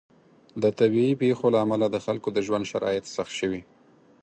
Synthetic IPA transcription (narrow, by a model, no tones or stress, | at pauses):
d̪ət̪abiipexolaːmalad̪əxalkod̪əʒwand̪ʃaɾɑ̰jɪt̪saxt̪ʃəwi